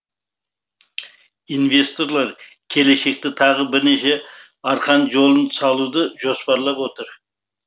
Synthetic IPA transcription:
invʲe̞st̪o̞ɾlˠɑɾ | kʲʰe̞le̞ʃe̞k̚t̪ɪt̪ʰɑʁəbɪɾneʃe̞ | ɑɾqʰɑnʒo̞lˠənsɑlˠud̪əʒo̞spɑɾlˠɑpwo̞t̪əɾ

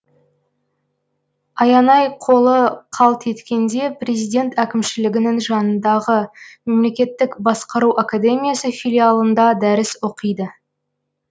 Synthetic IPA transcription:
ɑjɑnɑjqʰo̞lˠəqʰɑlˠt̪ʰe̞t̪kʲe̞nd̪e̞prʲe̞zijd̪ʲe̞nt̪ækʲɪmʃɪlɪɡʲɪnɪŋʒɑnənd̪ɑʁəme̞mle̞kʲe̞t̪ːɪkbɑsqəɾuwʔakad̪e̞mijasəfilʲialˠənd̪ɑd̪æɾɪswoqəjd̪ə

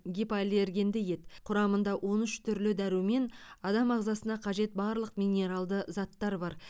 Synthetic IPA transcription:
ɡʲipalʲeɾɡʲe̞nd̪ɪje̞t̪qʰʊɾɑmənd̪ɑwʔo̞nʏʃt̪ʰʏɾlɪd̪æɾume̞nɑd̪ɑmɑʁzɑsənɑqʰɑʒe̞t̪̚bɑɾlˠəqmʲijnʲe̞ɾɑlˠd̪əzɑt̪ːɑɾbɑɾ

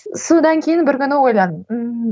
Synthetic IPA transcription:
sod̪ɑŋkʲʰejɪnbɪɾkʲʏnɪwo̞jlˠɑd̪ə

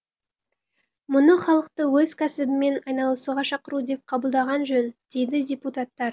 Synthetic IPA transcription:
mʊnəχɑlˠəq̚t̪əwɵzkʲʰæsɪbɪme̞nɑjnɑlˠəsuʁɑʃɑqəɾud̪e̞p̚qʰɑbəlˠd̪ɑʁɑnʒɵnd̪̥e̞jd̪ɪdʲeput̪at̪ːɑɾ

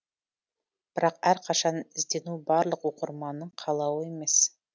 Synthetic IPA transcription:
b̥ɪɾɑqæɾqʰɑʃɑnɪzd̪e̞nubɑɾlˠəqwoqəɾmɑnəɴqʰɑlˠɑwəe̞me̞s

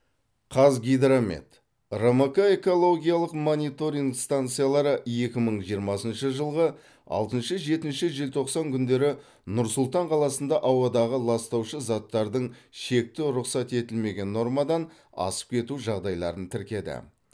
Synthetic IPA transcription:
qʰɑzɡʲijd̪ɾomḛt̪ | romokae̞ko̞lˠo̞ɡʲijalˠəqmo̞nijt̪o̞ɾʲiŋɡst̪ant̪sɨjalˠɑɾəje̞kʲɪməɴʒijəɾmɑsənʃəʒəlˠʁə | ɑ̰lˠt̪ənʃəʒe̞t̪ɪnʃɪʒelt̪ʰo̞qsɑŋkʲʰʏnd̪e̞ɾɪ | nʊɾsʊlˠt̪ɑɴqʰɑlˠɑsənd̪ɑʔɑwɑd̪ɑʁəlˠɑst̪ɑwʃəzɑt̪ːɑɾd̪əɴʃe̞k̚t̪ɪɾʊqsɑt̪e̞t̪ɪlme̞ɡʲe̞nːo̞ɾmɑd̪ɑn | ɑ̰sə̥p̚kʲʰe̞t̪uʒɑʁd̪ɑjlˠɑ̰ɾənt̪ʰɪɾkʲe̞d̪ɪ̰

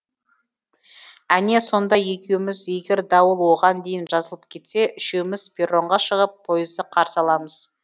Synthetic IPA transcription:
æne̞so̞nd̪ɑje̞kʲe̞wɪmɪzje̞ɡʲeɾd̪ɑwəlˠwo̞ʁɑnd̪e̞jɪnʒɑzəlˠəp̚kʲʰe̞t̪se̞ʔʏʃe̞wmɪzpʲeroɴʁɑʃəʁəpʰːo̞jəzd̪əqʰɑɾsɑlˠɑməz̥

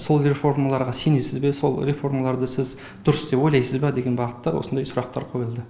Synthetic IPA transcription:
so̞lˠre̞fo̞rmalˠɑɾʁɑse̞nesɪzbe̞so̞̰lˠɾefo̞rmalˠɑɾd̪əsɪz | d̪̥ʊɾəsd̪epo̞jlˠɑjsəzbɑd̪e̞ɡʲe̞nbɑʁət̪ːɑɾwosənd̪ɑjsʊɾɑqt̪ɑ̰ɾqʰo̞jəlˠd̪ə

